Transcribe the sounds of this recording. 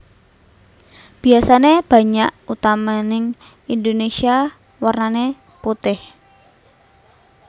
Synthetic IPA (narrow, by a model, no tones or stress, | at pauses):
b̥i̤asaneb̥ä̤ɲaʔut̪amanɪŋ | ind̪onesia | warnane | put̪ɪh